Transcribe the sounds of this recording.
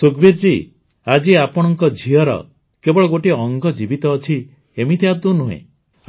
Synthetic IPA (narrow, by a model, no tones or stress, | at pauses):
sukbiɾd͡ʒi | ad͡ʒiapɔɽ̃ɔŋkɔd͡ʒʱiɔɾɔ̰ | kebɔɭɔɡoʈiɔŋɡʱɔd͡ʒibit̪ɔːt͡ʃʰi | emit̪at̪unuɦḛ̃